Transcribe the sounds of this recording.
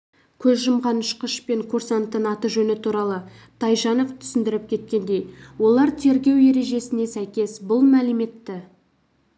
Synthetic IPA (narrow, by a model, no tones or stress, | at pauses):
kʲʰɵzʒəmʁɑnʊʃqəʃpe̞ŋkʰuɾsɑnt̪ənɑt̪əʒɵnɪt̪ʰuɾɑlˠə | t̪ʰɑjʒɑnəqt̪ʰʏ̥sɪnd̪ɪɾɪp̚kʲʰe̞t̪̚kʲe̞nd̪e̞jwo̞lˠɑɾt̪ʰe̞ɾɡʲe̞wje̞ɾe̞ʒe̞sɪne̞sæjkʲe̞sbʊlˠmælɪme̞t̪ːɪ